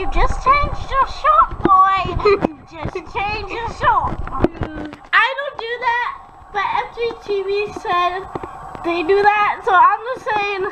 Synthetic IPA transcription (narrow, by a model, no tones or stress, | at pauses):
jɨd͡ʒʌst͡ʃʰẽɪ̃nd͡ʒdəʃɔt̚b̥ɔɪjɨd͡ʒʌst͡ʃʰẽɪ̃nd͡ʒd͡ʒəʃɔɹt̚b | ʔaɪdõʊ̃nd̥ɨðæt̚ | b̥ʌɾɛfditʰivisɛdðeɪdɨðæt̚soʊãɪ̃mðəsẽɪ̃m